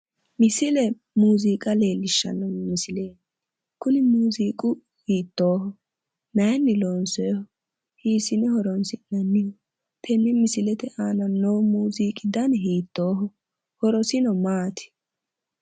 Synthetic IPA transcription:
mɪsɪlɛ | muːziːkʼɐleːlːɪʃːɐ̰nːɔmɪsɪleː | kʊnɪmuːziːkʼʊ | hiːt̪ːoːɦɔ | nɐjnːɪloːnsɔjhɔ | hiːsɪnɛhɔɾɔnsɪnɐnːɪjɔ | t̪ʰɛnːɪmɪsɪlɛt̪ɛʔaːnɐnːɔwmuːziːkʼɪd̪ɐnɦiːt̪ːoːɦɔ | hɔɾɔsɪnɔmaːt̪ʰɪ̥

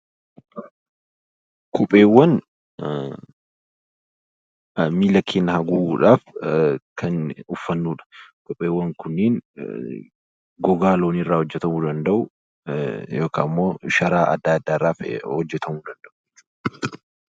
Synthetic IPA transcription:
kʰʊpʼeːwːɐn | miːlɐkʰːeːnːɐhɐɡuːuːᶑaːfkʰɐnʊfːɐnːuːᶑɐ̥kʊpʼːeːwːɐŋkʊnːeːn | ɡɔɡaːlo̞ːnɪrːaːhɔd͡ʒːɛt̪ɐmuːd̪ɐnd̪ɐʔʊ | joːka̰ːmːoːʃɐɾaːʔɐ̰d̪ːaːɐd̪ːaːɪrːaːfhɔd͡ʒːɛt̪ɐmuːd̪ɐnd̪ɐʔʊ

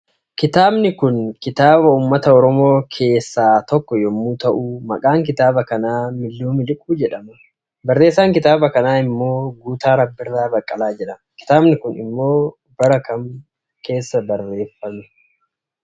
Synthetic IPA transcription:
kɪt̪aːbnɪkʊnkɪt̪aːbɐuːmːɐt̪ɐɔɾɔmo̞ːkʰe̞ːsːaːt̪ɔkːɔjɔmːuːt̪ɐʔuːmɐkʼaːŋkɪt̪aːbɐkɐnaːmɪlːuːmɪlɪkʼuːd͡ʒɛᶑɐmɐ | bɐrːe̞ːsːaːŋkɪt̪aːbɐkɐnaːɪmːo̞ːɡuːt̪aːɾɐbːɪrːaːbɐkʼːɐlaːd͡ʒɛᶑɐnkɪ̥t̪aːbnɪkʊnɪ̰mːo̞ː | bɐɾɐkɐm | kʰe̞ːsːɐbɐrːe̞ːfːɐmɛ

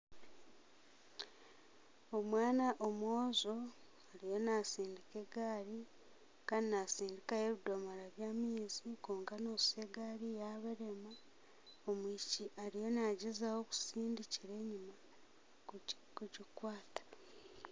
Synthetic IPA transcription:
o̞mwaːnaʔomwoːzo̞ | aɾijo̞nasiːndikeɡaːɾi | kaɾinasiːndikaje̞βido̞maɾaβjaːmiːzikuːŋkanoːse̞ɡaɾijaβaɾe̞ma | omuiciaɾijo̞naɟezawo̞ku̥siːndiciɾe̞ːɲuma | kuɟikwaːtḁ

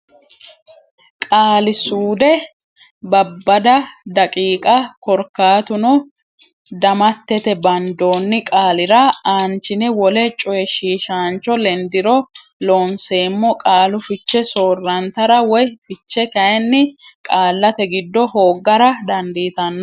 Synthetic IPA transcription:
kʼaːlɪsuːd̪ɛ | bɐbːɐd̪ɐd̪ɐkʼiːkʼɐkɔɾkːaːt̪ʊnɔ | d̪ɐmɐt̪ːɛt̪ɛbɐnd̪o̞ːnːɪkʼaːlɪɾɐaːnt͡ʃːɪnɛwɔlɛt͡ʃʼɔjɛʃiːʃaːnt͡ʃːɔlɛnd̪ɪɾɔ | loːnse̞ːmːɔkʼaːlʊfɪt͡ʃːɛsoːrːɐnt̪ɐɾɐwɔjfɪt͡ʃːɛkɐjɛnːɪkʼaːlːɐt̪ɛɡɪd̪ːɔhoːɡːɐɾɐd̪ɐnd̪iːt̪ɐnːɐ

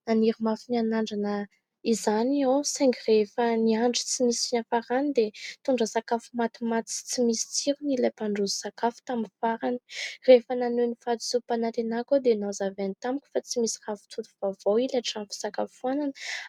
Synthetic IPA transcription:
naniɾimafinianaɳɖ͡ʐanə | izaniawsaŋɡirefəniaɳɖ͡ʐi̥t͡simisinafaɾanid̪et̪uɳɖ͡ʐəsakafumat̪imat͡s̪i̥t͡simisi̥t͡siɾunilapaɳɖ͡ʐuzisakafu̥t̪aminfaɾani̥refənanenifad̪i̥supanat̪enakod̪enazavenit̪amikʲu̥fat͡simisiravu̥t͡suluvavoilaʈ͡ʂanfi̥sakafuananə̥

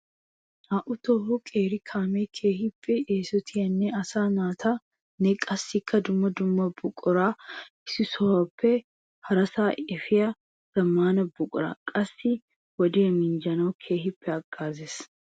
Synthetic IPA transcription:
ʔaːʔʊt̪ɔhɔkʼeːɾɪkʰaːmekʰeːhɪpːɛeːsɔt̪ʰɪjɐnːɛɐsaːnaːt̪ʰa | nɛkʼɐsːɪkʰːɐd̪ʊmːɐd̪ʊmːɐbʊkʼʊɾaːɪsɪsɔwɐpʰːɛ | hɐɾɐsaːɛfɪjɐ | ɡ̥ɐmːaːnɐbʊkʼʊɾa̰ːkʼɐsːɪ | wɔd̪eːmɪnd͡ʒɐnɐwkʰe̞ːhɪpːɛɐɡ̥ːaːzeːs

